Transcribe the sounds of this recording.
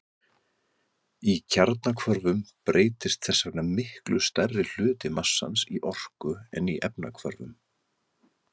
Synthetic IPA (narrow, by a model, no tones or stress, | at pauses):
icʰaɾt̪nakʰvœɾvʏmpɾʔeːjt̪ɪst̪θɛsːanamɪhklʏst̪ɛrːɪl̥ʏːt̪ɪmasːa̰nsiʔɔr̥kʏɛ̰niʔɛpna̰kʰvœ̰ɾvʏ̰m